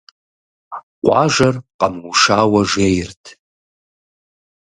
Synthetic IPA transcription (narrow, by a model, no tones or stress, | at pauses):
qʷʼɑ̰ʒɐrqʼamwuʂaːwɐʐejrtʰ